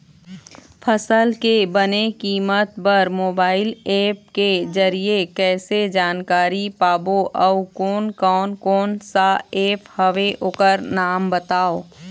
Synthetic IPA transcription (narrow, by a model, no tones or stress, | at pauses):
pʰəsəlkebənekiːmət̪pɐɾmoːbaːɪleːp̚ked͡ʒəɾiekɛːsed͡ʒaːnkaːɾipaːboʔɔʊkoːnkɔːnkɔːnsaeːpʰhɐʋeʔoːkəɾnaːmbət̪aːoː